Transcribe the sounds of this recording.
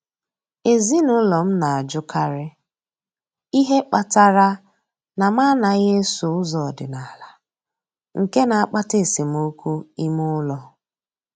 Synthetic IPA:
e˨zi˦nʊ˦lɔ˨m̩˦na˨a˨d͡ʒʊ˦kʰa˦ɾɪ˦ | i˦ɦe˦k͡pa˨ta˦ɾa˦ | na˨ma˦na˨ɣe˦sʊ˨ʊ˦zɔ˨dɪ˨na˨la˨ | ŋ̩˨ke˦na˨a˨k͡pa˦te˦˨si˨m˦o˦kʷu˦i˦mʊ˦lɔ˨

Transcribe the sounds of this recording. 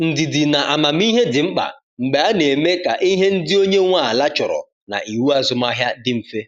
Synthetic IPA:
n̩˨di˨di˨na˨ʔa˨ma˨m̩˦i˦ɦe˦dɪ˨ŋ͡m̩˦k͡pa̰˨ | ŋ͡m̩˨ɡ͡ba˨a˦ne˨me˦ka̰˨ʔi˦ɦe˦n̩˦dɪ˦o˦ɲe˦ŋʷa˦˨a˨la˦t͡ʃɔ˨ɾɔ̰˨ | na̰˨ʔi˨wu˦a˦zʊ˨ma˦ɦja˦dɪ˦m̩˨fe˦

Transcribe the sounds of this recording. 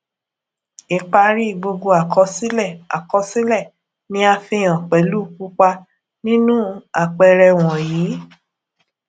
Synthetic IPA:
i˨˧k͡pa˧ɾi˦˨ɡ͡bo˧ɡo˧a˨kʰɔ˧˦si˦lɛ˦˨a̰˨kɔ˧si˦lɛ˦˨ | nĩ˦a˧fĩ˧˦ã˨k͡pɛ˨˦lu˦˨ku˦k͡pa˧ | nĩ˦nũ˦a˨k͡pɛ˧ɾɛ˧w̃ɔ̃˨jĩː˨˦

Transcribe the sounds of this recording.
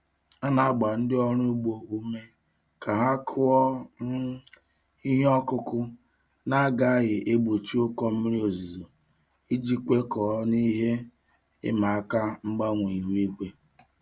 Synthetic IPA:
a˦na˨a˦ɡ͡ba˨n̩˦dɪ˦ɔ˦ɾʊ˦ɡ͡bo˨u˦me˦ | ka˨ɦa˦kʰʊ˦ɔ˦ | i˦ɦɔ˦kʊ˦kʊ˦ | na˦a˦ɡa˦a˦ɦɪ˨ʔe˦ɡ͡bo˨t͡ʃi˦ʊ˦kɔ˦m̩˦ɾi˦o˨zi˨zo˨ | i˦d͡ʒi˦k͡pʷe˦kɔ˨˦ni˦ɦe˦ | ɪ̰˦ma˨a˦ka˦ŋ͡m̩˦ɡ͡ba˦ŋʷ˨i˨ɦi˦kʷe˦

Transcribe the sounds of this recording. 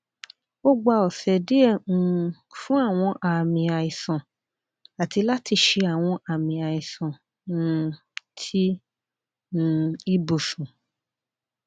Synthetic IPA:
o˦ɡ͡ba˧ɔ˨sɛ˨de˦ɛ˦˨ũ˧ | fũ˦a˦˨w̃ɔ̃˧ʔa˨mĩ˧a˨ĩ˨sã˨ | a˨ti˧la˦ti˧ʃe˧a˨w̃ɔ̃˧ʔa˨mĩ˧a˨i˨sã˨ | nũ˦ | tʰi˦ | nũ˦˧i˦bo˨sũ˨

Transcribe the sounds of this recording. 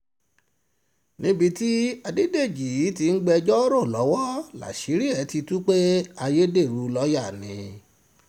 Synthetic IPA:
nĩ˦bi˧ti˦a˧de˦de˦˨d͡ʒi˨˦ti˧n̩˦ɡ͡bɛ˧d͡ʒɔ˦ɾo˦˨lɔ˨˦wɔ˦la̰˨ʃi˨˦ɾi˦ɛ˨˦ti˧tu˦k͡pe˦a˧je˦de˦˨ɾu˨˦lɔ˨˦ja˦˨nĩ˨˦

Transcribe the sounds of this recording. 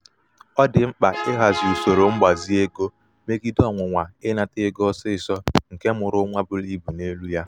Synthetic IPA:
ɔ˦dɪ˨m̩˦k͡pa˨ɪ˦ɦa˨zu˨so˨ɾo˨ŋ͡m̩˦ɡ͡ba˨zi˦e˦ɡo˦ | me˦ɡi˦dɔ˦ŋʷʊ˨ŋʷa˨ɪ˦na˨tɪ˦ɡɔ˦sɪ˦ɪ˨sɔ˦ŋ̩˨ke˦mʊ˨ɾʊ˦ŋʷa˦bʊ˦li˦bu˨ne˦lu˦ja˦

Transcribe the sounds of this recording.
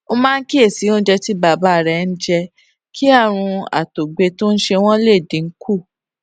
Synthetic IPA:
o˧mãː˦ki˦e˦˨si˨˦o˦n̩˦d͡ʒɛ˧ti˦ba˨ba˨˦˨ɾɛ˧˨˧n̩˦d͡ʒɛ˧ | kʰi˦a˦˨ɾ̃ũ˧a̰˨to˨ɡ͡be˧to˦n̩˦ʃe˧w̃ɔ̃˦le˦˨dĩ˨ŋ̩˦kʰu˦˨

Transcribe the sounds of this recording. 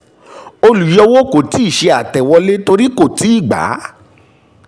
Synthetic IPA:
o˧lu˨jɔ˧wo˦ko˨ti˨˦i˦˨ʃe˧a˨tɛ˨wɔ˧le˦to˧ɾi˦ko˦˨ti˨˦i˦˨ɡ͡ba̰˨˦

